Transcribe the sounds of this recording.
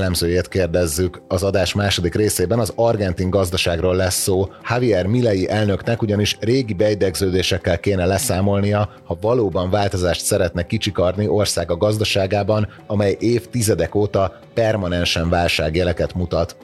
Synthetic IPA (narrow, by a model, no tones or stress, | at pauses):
lːɛmzøːjeːt̪keːrd̪ɛzːykɒzɒd̪aːʃmaːʃo̞d̪ikreːseːbɛnɒzɒrɡɛnt̪iŋɡɒzd̪ɒʃaːɡrolːɛsːoːhaviɛrmilːɛjiʔɛlnø̞knɛkuɟɒniʃreːɡibɛid̪ɛɡzøːd̪eːʃɛkːɛlkeːnɛlɛsaːmo̞lnijɒhɒvɒloːbɒɱvaːlt̪o̞zaːʃt̪sɛɾɛt̪nɛkit͡ʃikɒrniʔo̞rsaːɡɒɡɒzd̪ɒʃaːɡaːbɒn | ɒmɛjʔeːft̪izɛd̪ɛkoːt̪ɒ | pɛrmɒnɛnʃɛɱvaːlʃaːɡjɛlɛkɛt̪mut̪ɒt̪